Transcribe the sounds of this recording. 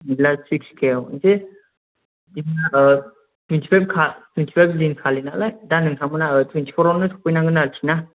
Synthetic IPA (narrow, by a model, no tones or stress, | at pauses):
nilasik̚skʰewɯnse | imɯnaʔɯ | tʰwentʰi̥pʰajp̚kʰatʰwentʰi̥pʰajp̚linkʰalinalajdanɯŋsʰamɯnaɯtʰwentʰi̥pʰɔɾɔnɯtʰɔ̥p̚ʰɯjnaŋɡɯnaɾtʰina